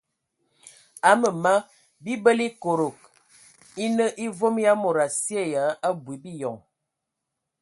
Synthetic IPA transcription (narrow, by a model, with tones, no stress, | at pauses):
a˦mə˨ma˦ | bi˦bə˦li˦ko˨ɾo˨k̚ | i˦nə˦ʔi˦vo˦mja˦mo˨ɾa˨si˦e˦˨ja˨˦a˦bwi˨bi˦jɔ˨ŋ